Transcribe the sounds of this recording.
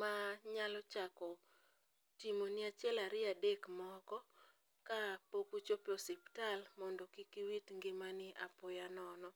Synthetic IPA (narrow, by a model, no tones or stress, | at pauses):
maɲalɔt͡ʃakɔ | timonɪat͡ʃjɛlaɾɪadekmɔkɔ | kapokut͡ʃoposiptalmɔndɔkikiwitŋɡɪmanɪapojanɔnɔ